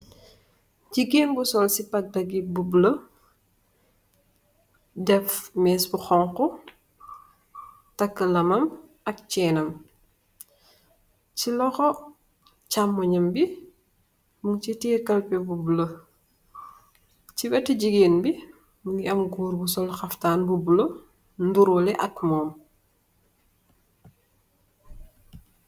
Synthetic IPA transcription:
ɟiɡenbusɔlsipɐk̚dɐɡibublə | dɛfmɛːsbuxɔŋkɔ | tɐkːəlɐmɐm | ɐk̚t͡ʃɛːnɐm | cilɔxɔ | camːɔɲɐmbi | muŋcitiːkɐlpɛbubulɐ | cibɛtiɟiɡeːnbi | muŋɡiɐmɡuːɾbusɔlxɐftaːnbubulɐ | nduɾɔlɛʔɐk̚mɔːm

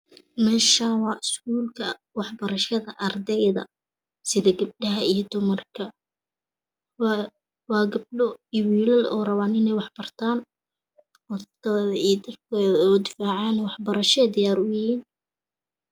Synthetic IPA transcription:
mɛːʃaːnwɑːɪskuːlkʰɐ | wɑħbɐɾɐʃɐðɐʔɐrd̪ɛjðɐ̰ | sɪðɐɡɐb̚ɖɐɦɐijɞd̪ʊmɐrkʰɐ | wɑːɡɐb̚ɖɔwiːlɐlɔ̰ːrɐβaːnɪnɛjwɑħbɐrt̪ʰaːn | wɐt̪ɐðɐijd̪ɐrkʰɛːðɐɔːd̪ɪfaːʕɑːnwɑħbɐɾɐʃɛːd̪ɪjaːɾʊjɪhiːn

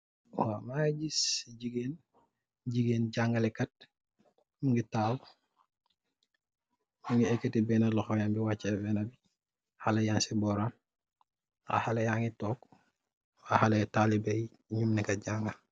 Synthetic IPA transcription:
wamaɟisɟiɡeːn | ɟiɡeːnɟaŋɡɐlɛkɐt̚ | muŋɡitaːw | muŋɡiɛkːetibɛnɐlɔxɔjambiwat͡ʃːabɛːnɐbi | halɐjaːnsibɔɾam | a̰halɐjaŋitɔːk | ahaletaːlibɐj | ɲumnikɐɟaŋɡɐ

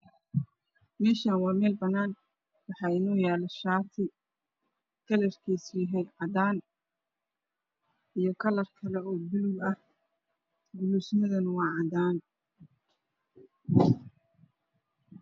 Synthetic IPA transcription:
mɛːʃaːnwɑːmɛːlbɐnaːn | wɑħɑːɪnɔːjaːlɐʃaːt̪ʰɪ | kʰɐlɛrkʰiːsjɪɦɛjʕɑd̪aːn | ijɞkʰɐlɐrkʰɐlɛɔːbɪlʊlɐh | ɡʊlusnɐðɐnwɑːʕɑd̪aːn

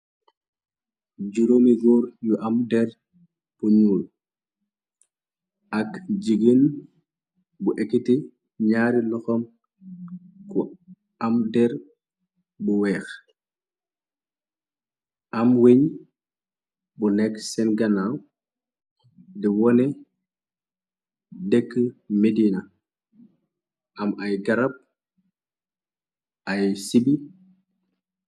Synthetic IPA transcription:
ɟuɾomiɡɔːɾjuʔɐmdɛr | b̥uɲuːl | ʔɐkd͡ʒiɡin | buʔɛkːiti | ɲaːɾilɔxɔm | ku | ɐmdɛɾ | buwɛːx | ʔɐmweɲ | bunɛkːsɛnɡɐnaw | diwɔnɛ | dɛkːəmedinɐ | ʔɐmɐjɡɐɾɐp̚ | ɐjsibi

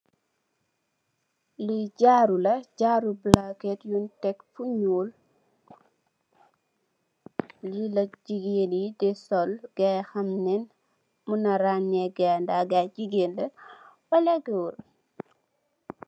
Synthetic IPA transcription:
liɟaɾulɐɟaɾublakɛtjuntɛkfuɲuːl | lilɐd͡ʒiɡeːnidɛsɔlɡ̥ɛxɐmnɛn | munɐɾanːɛɡɛndaɡad͡ʒiɡeːndɐwɐlɛɡɛwuɾ

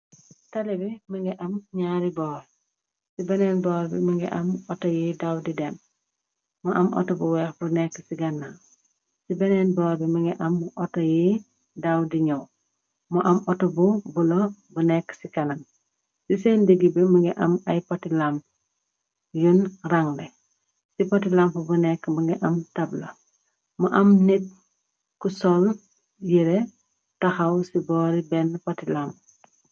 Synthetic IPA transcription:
talibimiŋɡeʔamɲaɾibɔːl | sibenenboɾbḭmiŋɡɛʔamotojidawdidem | mɔʔamʔo̰tobuwexbunekːsiɡanːa | sibenenboːlbimiŋɡɛʔamːʔotoji | dawdiɲow | mɔʔamotobubulobunɛkːsikɐnɐm | sisɛndiɡibɛmuŋɡɛʔɐmɐjpɐtilamp | junraŋdɛ | sipɐtilampubunɛkːmuŋɡɛʔɐmtɐblɐ | muʔɐmnit̚ | kusɔl | jiɾɛ | tɐxɐwsibɔːɾibɛnpɐtilamp

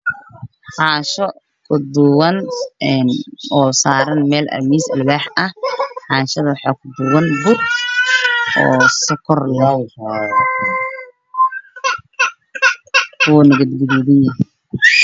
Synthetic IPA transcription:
ħaːʃɔ | kʰʊd̪ʊwɐnɛnɔːsaːɾɐnmɛːlʔɐ̰miːsɐ̰lbaːħɐhħɑːʃɐðɐwħɑːkʰʊd̪ʊwɐnbʊr | ʔɔ̰ːsɪkʰɔrlɔːwhɔːð | wɔːnɐɣɐd̪ɡɐðɛðɪnɐɦ

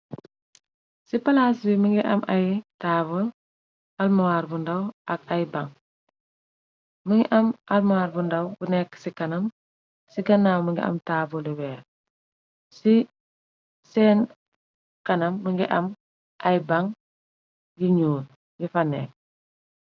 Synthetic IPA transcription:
sipɐlaːsbiməŋɡiʔɐmʔɐjtaːbəl | almɐwaːɾbundɐwʔɐkɐjbɐŋ | məŋɡiʔɐmʔɐlmɐwaːɾbundɐwbunɛkːsikɐnɐm | siɡɐnːaːwməŋɡḭʔɐ̰mtaːbuliwɛːɾ | si | sɛːn | kɐnɐmːəŋɡiʔɐm | ʔɐjbɐŋ | jiɲuːl | ɡifɐnɛ̰k

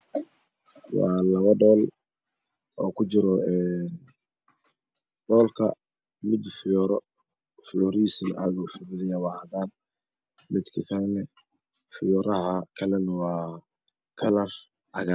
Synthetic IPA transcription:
wɑ̰ːlɐβɐɖɔːl | ɔːkʰʊt͡ʃɪɾɔɛːn | ɖ̥ɔːlkʰɐ̰ | mɪd̪fɪjɔːɾɔ | fɪjɔːɾisɪnʔaːðufɪbɪðɪjɐwɑːhɐðaːn | mɪd̪kʰɐkʰɐlɛnɛ | fɪjɔːɾɐɦɐkʰɐlɛnɐwɑː | kʰɐlɐr | hɐɣaː

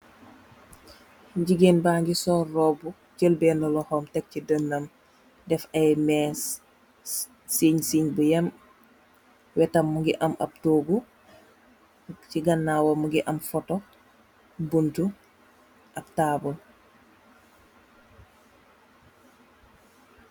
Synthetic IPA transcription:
ɟiɡenbaːŋɡisɔːrːɔbu | cəlbɛːnɔlɔhɔmtɛk̚cidənːɐm | dɛfɐjmɛs | siɲsiɲbujɐm | wɛtɐmːuŋɡiʔɐmʔɐ̰p̚toːɡu | ciɡɐnːaːwɔmuŋɡiʔɐmfɔtɔ | buntu | ʔɐb̚taːbul

